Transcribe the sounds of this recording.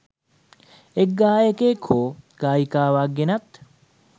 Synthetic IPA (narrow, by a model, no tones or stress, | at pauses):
ekɡːaːjekeːkʰoːɡ̥aːjikaːʋaɡenɐt̪